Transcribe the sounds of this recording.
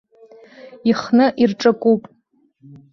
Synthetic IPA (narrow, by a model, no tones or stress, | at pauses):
iχnɨʔirʈ͡ʂʼakʷʼupʼ